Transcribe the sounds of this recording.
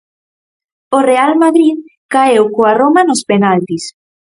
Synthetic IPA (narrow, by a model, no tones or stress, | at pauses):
orealmaðɾiðkaewkoaromanospenalt̪is